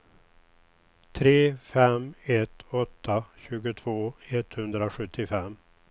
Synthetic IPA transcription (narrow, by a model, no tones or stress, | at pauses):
t̪ʰɾeːfɛmɛt̪ɔt̪ʰːaɕʉ̟ːɡʊt̪ʰv̥oːɛt̪hɵnd̪ɾaɧɵt̪ʰːɪfɛmː